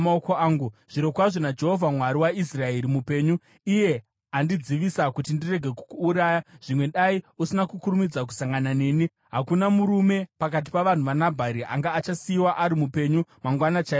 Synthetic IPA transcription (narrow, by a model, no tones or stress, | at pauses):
aokoaːŋɡuʐ̥iɾo̞kwaʐonad͡ʒe̞ɦo̞vʱamwaɾiwais̬rae̞ɾimupe̞ːɲu | ije̞ | andid͡ziʋisakutindire̞ɡʱe̞ku̥kuːɾajaʐ̥imwe̞ɗaiusinakukuɾumid͡zak̬u̥saŋɡanane̞ːni | ɦakunamuɾume̞pakat̬i̥paʋan̤uʋanabʱaɾiʔa̰ŋɡaːt͡ʃasiiwaʔaɾimupe̞ɲumaŋɡwanat͡ʃa